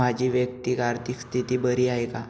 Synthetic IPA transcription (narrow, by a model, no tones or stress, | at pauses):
ad͡ʑʱiːʋjəkt̪iːkaɾt̪ikst̪ʰit̪iːbəɾiːajka